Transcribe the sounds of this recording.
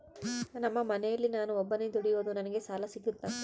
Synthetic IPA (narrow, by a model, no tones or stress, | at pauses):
nɐmːɐmɐnɛjɐlːinaːnuɔbːɐned̪uɽijoːd̪unɐnɐɡe̞saːlɐsiɡut̪ːaːn